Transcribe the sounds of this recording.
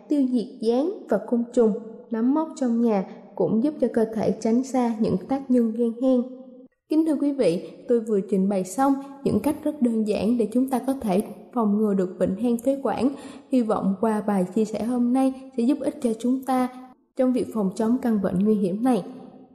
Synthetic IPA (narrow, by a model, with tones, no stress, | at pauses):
t̪ɨ˧əzi˨˩ət̚zaː˨˦nvaː˨˩kʊ˧wŋ͡mt͡ɕʊ˨˩ŋ͡mna˨˦mːə˦˥t̚t͡ɕɔ˧wŋ͡mɲaː˨˩ | kʊ̰˧˥ŋ͡mzu˦˥p̚t͡ɕɔ˧kəː˧t̪ʰe˧˩t͡ɕa˨˦jŋ̟saː˧ɲɨ̰˧˥ŋt̪aː˦˥k̚ɲə˧nɣɛ˧nhɛ˧ŋ | kï̟˨˦t̪ʰɨ˧əkwi˨˦vḭ˧˨t̪o˧jvɨ˨˩ət͡ɕï˨˩ŋ̟ɓa˨˩jsa˧wŋ͡mɲɨ̰˧˥ŋka˦˥jk̟̚zə˦˥t̚ɗəː˧nza̰ː˧˥˩nɗe˧˩t͡ɕʊ˨˦ŋ͡mt̪aː˧kɔ˨˦t̪ʰe˧˩fɔ˨˩wŋ͡mŋɨ˨˩ɗɨ˨˩ək̚ɓḭ̈˧˨ŋ̟ɦɛː˧ŋt̪ʰe˨˦kwa̰ː˧˩nhi˧vɔ̰˧˨wŋ͡mkwaː˧˩ɓaː˨˩jt͡ɕi˧əsɛ̰˧˩ho˧mna˧jsɛ̰˧˥zʊ˦˥p̚ʔi˦˥t̚t͡ɕɔ˧t͡ɕʊ˨˦ŋ͡mt̪aː˧ | t͡ɕɔ˧wŋ͡mvi˨˩ək̚fɔ˨˩wŋ͡mt͡ɕɔ˨˦mka˧˩ŋvə̰˧˨nŋwi˧ɦi˧˩əmna˨˩j